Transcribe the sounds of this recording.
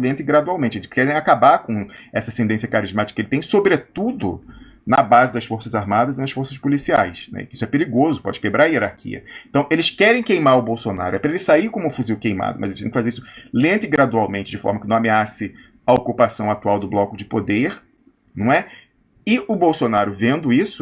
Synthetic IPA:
lẽnt̪ɪɡɾad̪uawmẽnt͡ʃɪelɪʃkɛɾẽj̃akabakõɛsɐsẽnd̪ẽsijɐkaɾizmat͡ʃɪ̥ikɐkelɪt̪ẽj̃sobɾet̪ud̪ʊ̰ | nɐbazɪd̪ɐsfoɾsɐzaɾmad̪ɐzɪnɐsfoɾsɐʃpolisia̰jsnɛ̰kɪisʊɛpeɾiɡozʊpɔ̰d͡ʒɪkebɾaɾɐieɾaɾkʰḭɐ̰ẽnt̪ɐ̃w̃ʔelɪʃkɛɾẽj̃kejmaɾʊbowsona̰ɾʊɛpɾɐelɪsaiɾkõmʊfuziwkejma̰d̪ʊmɐzelɪʃt̪ẽkɪfazeɾisʊ̥lẽt̪ɪɡɾad̪uawmẽnt͡ʃɪd͡ʒɪfɔ̰ɾmɐkɪnɐ̃w̃ameasɪ | ɐokupasɐ̃w̃at̪uawd̪ʊblɔkʊd͡ʒɪpod̪eɾ | nɐ̃w̃ɛ | ɪʊbowsonaɾʊvẽnd̪ʊisʊ

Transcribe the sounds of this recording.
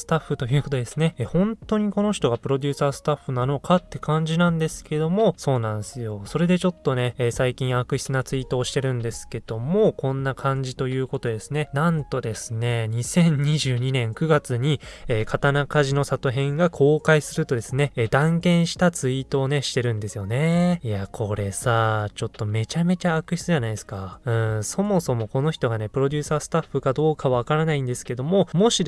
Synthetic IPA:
sɨ̥t̪aɸːɯ̟t̪o̞jɯ̟ːko̞t̪od̪e̞sɨnehõ̞nt̪o̞ɲ̟iko̞no̞çi̥t̪o̞ɡapɯ̟ɾo̞d̪ʲɨːsaːsɨ̥t̪aɸːɯ̟nano̞kʰat̪ːe̞kʰãɲ̟d͡ʑinãnd̪e̞sɨ̥ke̞d̪o̞mo̞so̞ːnãɰ̃sɨjo̞so̞ɾe̞d̪e̞t͡ɕo̞t̪ːo̞ne̞saikʲĩɰ̃akɯ̟çi̥t͡sɨnat͡sɨit̪o̞ːɕi̥t̪e̞ɾɯ̟̃nd̪e̞sɨ̥ke̞d̪̥o̞mo̞kõ̞nːakʰãɲ̟d͡ʑit̪o̞jɯ̟ːko̞t̪o̞d̪e̞sɨne̞nãnt̪o̞d̪e̞sɨne̞ɲ̟isẽ̞ɲ̟ɲiʑɨːɲ̟inẽŋkɯ̟ɡat͡sɨɲ̟ieːkʰat̪anakaʑino̞sat̪o̞ɦẽ̞ŋɡakʰo̞ːkaisɨɾɯ̟t̪o̞d̪e̞sɨne̞d̪ãŋkẽ̞ɰ̃ɕi̥t̪at͡sɨit̪o̞ːne̞ɕi̥t̪e̞ɾɯ̟̃nd̪e̞sɨjo̞ne̞ijakʰo̞ɾe̞saːt͡ɕo̞t̪ːo̞me̞t͡ɕame̞t͡ɕaːkɯ̟çi̥t͡sɨʑanaid̪esɨ̥kaɯ̟̃so̞mo̞so̞mo̞ko̞no̞çʲi̥t̪o̞ɡane̞pɯ̟ɾo̞d̪ʲɨːsaːsɨ̥t̪aɸːɯ̟kad̪o̞ːkaβaβkaɾanaĩnd̪e̞sɨ̥ke̞d̪o̞mo̞mo̞ɕi

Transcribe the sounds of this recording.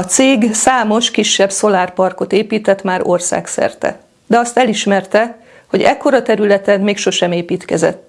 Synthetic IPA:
ɒt̪seːɡsaːmo̞ʃkiʃːɛbso̞laːrpɒrko̞t̪eːpiːt̪ɛt̪maːɾo̞rsa̰ːksɛ̰rt̪ɛ̰ | d̪ɛɒst̪ɛliʃmɛrt̪ɛ | ho̞ɟɛ̰kːo̞ɾɒt̪ɛɾylɛt̪ɛnmeːkʃo̞ʃɛmeːpiːt̪kɛzɛ̰t̪ː

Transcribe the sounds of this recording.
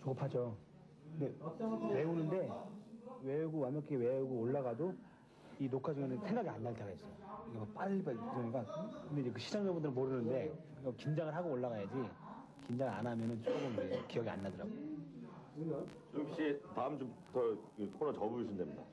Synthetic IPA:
t͡ɕoɡpʰad͡ʑo | ndewe̞unɯnde̞ | we̞uɡowamʌk͈we̞uɡooɭːaɣado | inokʰad͡ʑɯŋenɯnsʰe̞ŋɡaɡianːaɭt͈ʰeɡaes͈ʌjkaɡʌp͈aʎːibaɯdɯɲik͈akɯndeid͡ʑekɯɕʰid͡ʑaŋd͡ʑʌbundɯɾɯɭmoɾɯnɯnde̞ | ɡakind͡ʑaŋɯɭɦaɡooɭːaɣajad͡ʑi | kind͡ʑaŋɯɭa̰namjʌnɯnt͡ɕoɡɯmd͡ʑekijʌɡia̰nːadɯɾa̰ɡojo | t͡ɕoɕ͈itaɯmt͡ɕomtʌkɯkʰoɾʌt͡ɕʌbumisʰɯndemɲida̰

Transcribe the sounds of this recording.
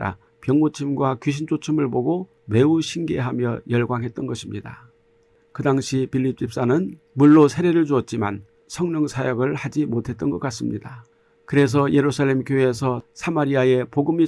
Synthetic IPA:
ɾa̰ | pjʌŋmot͡ɕʰimɡwakjuɕ̬ʰind͡ʑot͡ɕʰɯmɯɭboɡo | me̞uɕʰinɡe̞̰ɦamjʌjʌɭɡwaŋɦe̞t̚t͈ʌnɡʌɕʰimɲida̰ | kɯdaŋɕʰipiʎːip̚t͡ɕ͈ip̚s͈anɯn | muɭːosʰe̞ɾe̞ɾɯɭt͡ɕuʌt̚t͡ɕ͈ima̰n | sʰʌŋɲʌŋsʰajʌɡɯɭhad͡ʑimotʰe̞t̚t͈ʌnɡʌk͈as͈ɯmɲida | kɯɾe̞s̬ʰʌje̞ɾusʰaɭːe̞mkjoesʰʌsʰamaɾiae̞poɡɯmi

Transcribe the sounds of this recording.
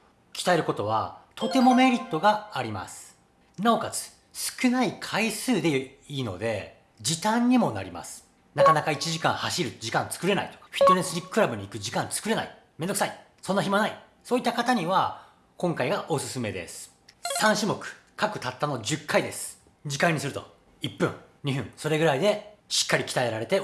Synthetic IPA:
kʲi̥t̪aeɾɯ̟ko̞t̪o̞β̞a̰t̪ʰo̞t̪e̞mo̞me̞ɾʲit̪ːo̞ɡaːɾʲima̰sɨ̥ | nao̞kazɨ̥ | sɨ̥kɯ̟naikʰaisɨːd̪e̞ | iːno̞̰d̪e̞̰ | d͡ʑit̪ãɲ̟ːimo̞na̰ɾʲima̰sɨ̥ | nakanakait͡ɕiʑikã̰haɕiɾɯ̟d͡ʑikãnt͡sɨ̥kɯ̟ɾe̞na̰it̪o̥ɸʲi̥t̪ːonesɨɾʲikːɯ̥kɯ̟ɾabɯ̟ɲ̟iːkɯ̟d͡ʑikãnt͡sɨ̥kɯ̟ɾe̞na̰i | me̞nd̪oksai | sonːaçimanai | soːit̪ːakat̪aɲ̟iβa | kõŋkaiɡaʔo̞sɨsɨme̞d̪e̞̰sɨ̥ | sãɰ̃ɕimo̞kɯ̟̥ | kakɯ̟̥t̪at̪ːano̞d͡ʑɨkʰːaid̪e̞sɨ̥ | d͡ʑikãɲ̟ːisɨɾɯ̟t̪o̞̰ | ipːɯ̟̃ŋ | ɲ̟iɦɯ̟̃ŋ̃so̞ɾe̞ɡɯ̟ɾaid̪e̞ɕi̥kːaɾʲikʲi̥t̪ae̞ɾaɾe̞t̪e̞

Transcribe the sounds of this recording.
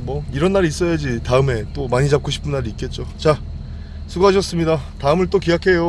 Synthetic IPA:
mwʌiɾʌnːaɾiːs͈ʌjad͡ʑitaɯme̞t͈omaɲit͡ɕap̚k͈ʰoɕʰi̥pʰɯnːaɾiːt̚k͈e̞t̚t͡ɕ͈ot͡ɕa | sʰuɡuɦaɕʰʌs͈ɯmɲidataɯmɯɭt͈okijakʰe̞jo

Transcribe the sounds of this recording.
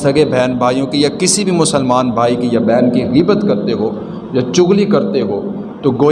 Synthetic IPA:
ɐɡebʱɛːnbʱaːijõkijakɪsibʱimʊsəlmaːnbʱaːikijabɛːnkiɣiːbət̪kɐɾt̪eɦoː | jat͡ʃʊɣlikɐɾt̪eɦoː | t̪oɡoː

